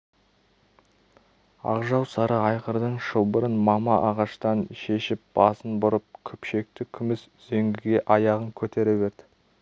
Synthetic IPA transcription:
ɑ̰qʒɑwsɑɾəɑjqəɾd̪əɴʃəlˠbəɾənmɑmɑʔɑʁɑʃt̪ɑnʃe̞ʃɪp̚b̥ɑsənbʊɾəp̚kʲʰɵpʃe̞k̚t̪ɪkʲʰʏmɪsz̥eŋɡʲɪɡʲe̞ʔɑjɑʁəŋkʲʰɵt̪e̞ɾɪbeɾd̪ɪ̥

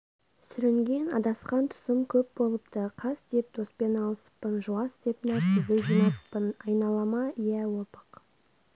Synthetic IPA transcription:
sʏɾɪŋɡʲe̞nɑ̰d̪ɑsqɑnt̪ʰʊ̥səmkʲʰɵp̚bo̞lˠəpt̪əqʰɑsd̪e̞p̚d̪ospe̞nɑlˠəsə̥pːənʒuɑsd̪e̞pnɑt̪ʲʰɪzd̪eʒinɑtpːənɑjnɑlˠɑmɑijæwopə̥q

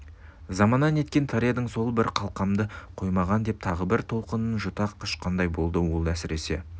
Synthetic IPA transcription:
zɑmɑnɑne̞t̪̚kʲe̞nt̪ʰɑɾiɑd̪əɴso̞lˠbɪɾqʰɑlˠqɑmd̪əqʰo̞jmɑʁɑnd̪e̞p̚t̪ʰɑʁəbɪɾt̪ʰo̞lˠqənənʒʊt̪ɑqɪʃqʰɑnd̪ɑjbo̞lˠd̪əwo̞lˠæsɪɾe̞se̞̰

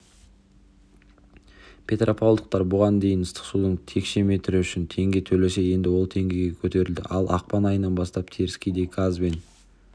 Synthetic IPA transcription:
pʲʰe̞t̪rʔopʰolˠd̪əq̚t̪ɑɾbʊʁɑnd̪e̞jɪnəst̪ə̥qsud̪əɴt̪ʰe̞kʃe̞me̞t̪ɪɾɪʏʃɪnt̪ʰe̞ŋɡʲe̞t̪ʰɵle̞se̞je̞nd̪ɪwo̞lˠt̪ʰe̞ŋɡʲe̞jɡʲe̞kʲʰɵt̪e̞ɾɪld̪ɪ̰ʔɑlˠʔɑ̰q̚pɑnɑjənɑnbɑst̪ɑp̚t̪ʰe̞ɾɪskʲijd̪e̞ɡazbe̞n

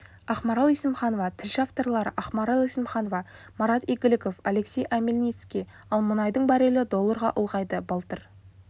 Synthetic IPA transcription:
ɑχmɑɾalˠisɪmχɑnovɑt̪ʰɪlʃɪaft̪o̞rlˠɑɾəʔɑχmɑɾalˠisɪmχɑnovɑ | mɑɾɑt̪eɡʲɪlɪko̞fale̞ksʲe̞jʔæmʲelʲnʲit̪skʲi | ɑlˠmʊnɑjd̪əɴbæɾelɪd̪o̞lˠːəɾʁɑ̰ʔʊlˠʁɑjd̪əbɑlˠt̪əɾ

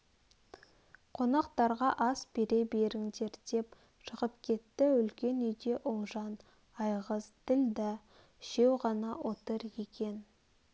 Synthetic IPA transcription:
qʰo̞nɑq̚t̪ɑɾʁɑʔɑsbe̞ɾe̞be̞ɾɪŋd̪e̞ɾd̪̥e̞p | ʃəʁəpkʲʰe̞t̪ːɪʏlkʲe̞nʏjd̪e̞ʔʊlˠʒɑn | ɑjʁəzt̪ʰɪld̪ɪ | ʒ̥e̞wʁɑnɑwo̞t̪əɾjekʲʰe̞n

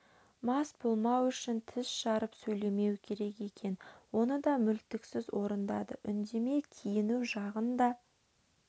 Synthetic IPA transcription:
mɑsbo̞lˠmɑwʏʃɪnt̪ʰɪsʃɑɾəpsɵjle̞me̞wkʲʰe̞ɾe̞ke̞kʲʰe̞nwo̞nəd̪ɑmʏlt̪ɪksɪzwo̞ɾənd̪ɑd̪ə̰ʔʏnd̪e̞me̞kʲʰijɪnuwʒɑʁənd̪ɑ

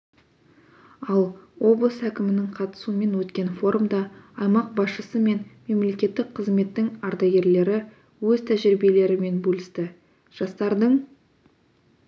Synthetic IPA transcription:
ɑlˠwo̞blˠəsækʲɪmɪnɪŋqʰɑt̪ə̥suəme̞nwɵt̪kʲe̞nfo̞ɾmd̪ɑɑjmɑq̚bɑsʃəsəme̞nme̞mle̞kʲe̞t̪ːɪk̚qʰəzme̞t̪ːɪŋɑɾd̪ɑjɡʲe̞ɾle̞ɾɪ | wɵzt̪ʰæʒɪɾɪbe̞le̞ɾɪme̞nbɵlʲɪst̪ɪ | ʒ̥ɑst̪ɑɾd̪əɴ

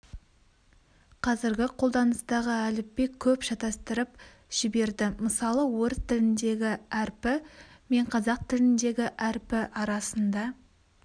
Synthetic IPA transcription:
qʰɑzɪɾɡʲɪqʰo̞lˠd̪ɑnəst̪ɑʁəælɪp̚ːe̞kʲʰɵpʒɑt̪ɑst̪əɾəp̚ | ʒ̥ɪbe̞ɾd̪ɪməsɑlˠəwɵɾzt̪ʰɪlɪnd̪e̞ɡʲɪæɾpɪme̞ɴqʰɑzɑq̚t̪ʰɪlɪnd̪e̞ɡʲɪʔæɾpɪʔɑɾɑsənd̪ɑ

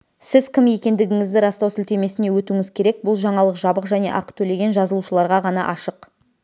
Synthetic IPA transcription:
sɪzkʲʰɪmje̞kʲe̞nd̪ɪɡʲɪŋɪzd̪ɪɾɑst̪ɑwsɪlt̪e̞me̞sɪne̞wɵt̪uŋɪzkʲʰe̞ɾe̞k̚bʊlˠʒɑɴɑlˠəqʒɑbəqʒæne̞̰ʔɑqt̪ʰɵle̞ɡʲe̞nʒɑzəlˠuʃəlˠɑɾʁɑʁɑnɑ̰ʔɑʃəq

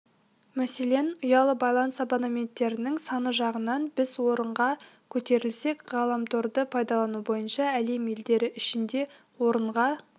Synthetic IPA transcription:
mæse̞le̞nʊjɑlˠəbɑjlˠɑnsabanamʲe̞nt̪ːe̞ɾɪnɪŋsɑnəʒɑʁənɑnbɪzwo̞ɾəɴʁɑ | kʲʰɵt̪e̞ɾɪlse̞kʁɑlˠɑmt̪ʰo̞ɾd̪əpʰɑjd̪ɑlˠɑnubo̞jənʃɑæle̞me̞ld̪e̞ɾɪʔɪʃɪnd̪e̞ | wo̞ɾəɴʁɑ

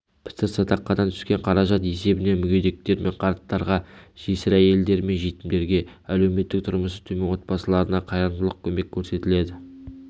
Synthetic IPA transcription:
pʰɪ̥t̪ɪɾsɑt̪ɑqːɑd̪ɑnt̪ʰʏ̥skʲe̞ɴqʰɑɾɑʒɑt̪e̞se̞bɪne̞mʏɡʲe̞jd̪e̞k̚t̪e̞ɾmʔe̞ɴqʰɑɾt̪ːɑɾʁɑʒ̥esɪɾæje̞ld̪e̞ɾme̞nʒet̪ɪmd̪e̞ɾɡʲe̞æle̞wme̞t̪ːɪk̚t̪ʰʊɾməsə̥t̪ʰɵmenwot̪̚pɑsəlˠɑɾənɑqʰɑjɑɾnd̪əlˠəq̚kʲʰɵme̞kʲʰːɵɾse̞t̪ɪle̞d̪ɪ

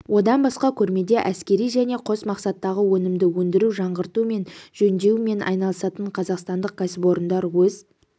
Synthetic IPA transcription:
wo̞d̪ɑnbɑsqɑkʲʰɵɾme̞d̪e̞ʔæskʲe̞ɾijʒæne̞qʰo̞smɑqsɑt̪ːɑʁəwɵnɪmd̪ɪwɵnd̪ɪɾuʒɑɴʁəɾt̪ume̞nʒ̥ɵnd̪e̞me̞nʔɑ̰jnɑlˠəsɑt̪əɴqʰɑzɑqst̪ɑnd̪əq̚kʰʲasɪpo̞ɾənd̪ɑɾwɵz

